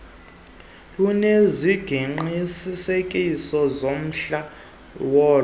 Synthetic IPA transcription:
luneziɡ̥ʱiŋ͡ǃisisekʼisɔzom̩ɬa | wɔː

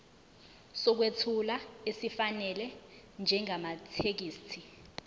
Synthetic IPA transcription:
sɔk̬wetʰulaesifanɛlɛ | nd͡ʒʱɛŋamatʰek̬iːstʰi

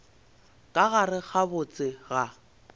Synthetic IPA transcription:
kʼaɣarɪχʰabʊt͡sʼɪɣa

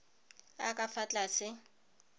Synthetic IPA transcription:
akʼafat͡ɬʼasɪ

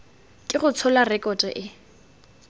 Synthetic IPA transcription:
kʼɪχʊt͡sʰɔlarɛkʼɔtʼɛ̰ʔɪ

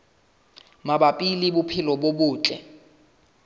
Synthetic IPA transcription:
maɓapʼilibupʰɪlɔɓoɓuːt͡ɬʼɛ̰

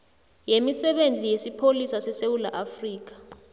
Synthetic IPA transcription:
jemisɛɓend͡zʱijesipʰolisasɛsewula̰ʔafriːk̬ḁ

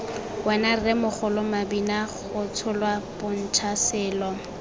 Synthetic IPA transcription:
wɛnarɪmʊχʊlʊmabinaχʊtʰʊlwab̥ʊn̩t͡ʃʰasɪːlɔ

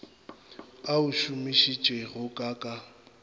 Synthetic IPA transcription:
aʊʃumiʃit͡ʃʼweɣʊkʼakʼa

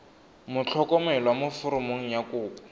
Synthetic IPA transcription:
mʊt͡ɬʰɔkɔmɛlwamʊfʊɾʊmoŋ̩jakuːpa

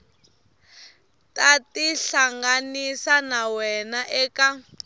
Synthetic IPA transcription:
tatiɬaŋɡanisanawɛnaʔɛːka

